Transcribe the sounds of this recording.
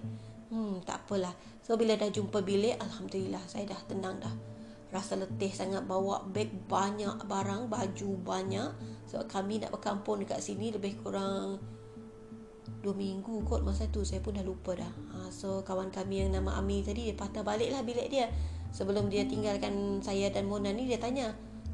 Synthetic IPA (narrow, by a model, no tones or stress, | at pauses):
t̪a̰ʔapəlah | sobiladahd͡ʒumpəbileʔalhamdəlilahsajadaht̪ənaŋdah | rasalət̪ɪhsaŋat̪̚bawa̰ʔbɛk̚baɲaʔbaɾaŋbad͡ʒubaɲaʔsəba̰ʔ̚kamina̰ʔbəkampʊndəka̰ʔsiniləbɪhkuɾaŋ | duəmiŋɡukot̪̚masaat̪usajapʊndahlupədahasokawankamijaŋnamaʔa̰mit̪adidiapat̪abaləʔlahbilɛʔdiasəbəlʊmdiat̪iŋɡalkansajadanmonanːidiat̪aɲa